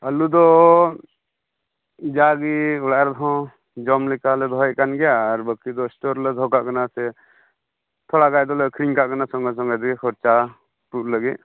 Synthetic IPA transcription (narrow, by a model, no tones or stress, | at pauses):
alud̪ɔ | d͡ʒaɡiuɽaɾd̪ʰʱɔ̃ | d͡ʒɔmlɛkalɛd̪ʱɔɛʔkanɡɛaɾbəkid̪ɔsʈɔɾlɛd̪ʱɔ̃kaʔkanasɛ | t̪ʰɔɽaɡajd̪ɔlɛkʰɾiŋkaʔkanasɔŋɡas̬ɔŋɡad̪ɛɡɛkʰɔɾt͡ʃa | puʔ̚ləɡɛʔ̚